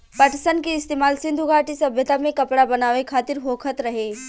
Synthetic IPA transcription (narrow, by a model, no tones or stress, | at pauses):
pɐʈsənkiɪst̪eːmaːlsɪ̃nd̪ʱuɡʱaːʈisɐbʱjət̪amẽkɐpɽabɐnaːʋekʰaːt̪ɪɾɦoːkʰət̪ɾɐɦeː